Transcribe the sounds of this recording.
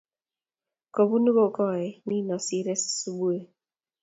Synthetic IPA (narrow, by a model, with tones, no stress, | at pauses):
ko˨bu˦nu˦bo˦˨kɔ˦ɛ˨ni˦nɔ˨si˦ɾɛ˦si̥˨su˦bu˦e˦˨